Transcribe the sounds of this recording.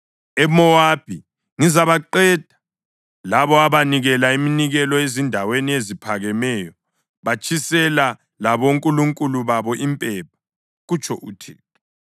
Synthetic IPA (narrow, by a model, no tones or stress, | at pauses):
ɛmɔwab̥ʱi | ŋizaβaǃɛd̥ʱḁ | laβɔaβaniɣɛlaiminiɣɛlɔezindʱaweniezipʰaɣɛmɛjɔ | βat͡ʃʰʼisɛla | laβoŋkʼuluŋkʼuluβaβɔʔimpʼɛp̚ʰḁ | ɣut͡ʃʰʼɔʔṵtʰḭːtʰɔ̥